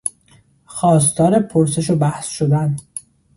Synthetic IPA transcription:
xɒːst̪ʰɒːɾepʰoɾse̞ʃobæhsʃod̪æn

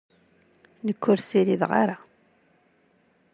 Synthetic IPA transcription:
nəkʰːʊɾsiɾiðʁa̰ɾa

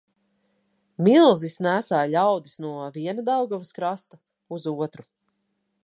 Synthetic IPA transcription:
milˠzisnæːsaːʎʲawd̪isnuɔviɛnad̪awɡɔvɐskɾast̪a | uzuɔt̪ɾu

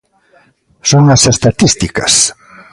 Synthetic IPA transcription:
soŋɐsest̪at̪ist̪ikɐ̰s

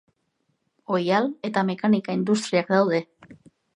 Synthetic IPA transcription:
o̞jale̞t̪ame̞kanikaind̪ust̪ɾiakd̪awð̞e̞

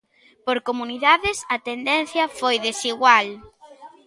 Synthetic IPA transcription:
poɾkomuniðaðɪsɐt̪end̪ɛn̟θjɐfojðesiɣwal

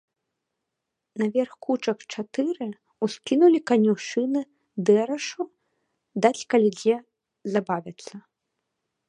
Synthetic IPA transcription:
nɐvʲɛrxkut͡ʂɐkt͡ʂat̪ɨɾɨ | uskʲinulʲikɐnʲuwʂɨnɨ | d̪ɛɾɐʂu | d̪at͡sʲkɐlʲid͡zʲɛ | zabavʲɐt̪sːɐ

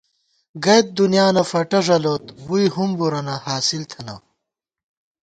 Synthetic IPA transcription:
ɡɐjt̪̚d̪unjaːnɐfɐʈɐʐɐloːt̪wujɦumbuɾɐnɐhaːsilt̪ʰɐnɐ̰

